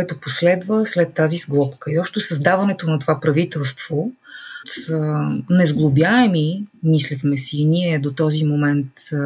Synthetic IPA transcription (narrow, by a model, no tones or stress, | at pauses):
koɛt̪oposlɛd̪vəslɛt̪ːazizɡlˠɔpkəizɔpʃt̪osɐzd̪avɐnɛt̪onɐt̪ovapɾɐvit̪ɛlˠst̪v̥ot̪ənɛzɡlˠobjaɛmimislixmɛsiːnʲiɛd̪ot̪ɔzimomɛnt̪